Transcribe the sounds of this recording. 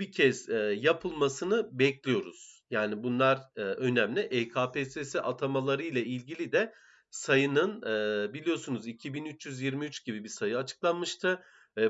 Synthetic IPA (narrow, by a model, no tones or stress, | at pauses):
bicʰɛz̥japʰɯlˠmasɯnɯbɛclʲijo̞ɾuz̥jaːnibunlˠaɾːø̞næmlʲiʔejkʰaːpesesiʔat̪ʰamalˠaɾɯjlˠailʲɟilʲid̪ɛ | sajɯnɯnːbilʲijo̞sunuzicʰibinyt͡ʃjyzjiɾmiyt͡ʃɟ̥ibibisajɯat͡ʃʰɯ̥klˠanmɯʃt̪ʰɯ